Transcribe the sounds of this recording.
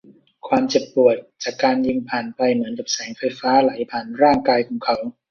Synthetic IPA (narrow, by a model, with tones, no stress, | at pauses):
kʰwaː˧mt͡ɕe˨˩pːu˨˩ət̪̚t͡ɕaː˨˩kːaː˧njɯ˧ŋpʰaː˨˩npa˧jmɯ˩˦ənka˨˩p̚sɛː˩˦ŋfa˧jfaː˦˥la˨˩˦jpʰaː˨˩nɾaː˥˩ŋkaː˧jkʰɔː˨˩˦ŋkʰa˦˥w